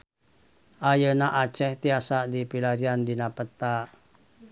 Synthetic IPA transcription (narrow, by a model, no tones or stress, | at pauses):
ʔajənaʔat͡ʃɛht̪iasaʔdipilaɾiandinapət̪a